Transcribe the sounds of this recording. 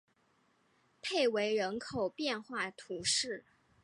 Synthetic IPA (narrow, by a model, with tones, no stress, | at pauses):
pʰe˥˩ɪwe˧˥ɪɻə˧˥nkʰo˨˩ʊpjɛ˥˧nxwa˥˩t̪ʰu˧˥ʂɻ̩˥˩